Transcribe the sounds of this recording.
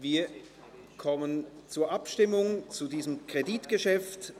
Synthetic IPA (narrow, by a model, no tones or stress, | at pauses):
viːɐ | kʰɔmənt͡suːɐʔapʃtɪmʊŋt͡sudiːzəmkʁ̥editɡ̥əʃɛft